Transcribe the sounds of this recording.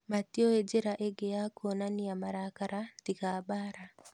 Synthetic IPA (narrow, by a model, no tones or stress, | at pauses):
matioed͡ʒeɾaʔeɡejakʰonaniamaɾakaɾadikabaɾa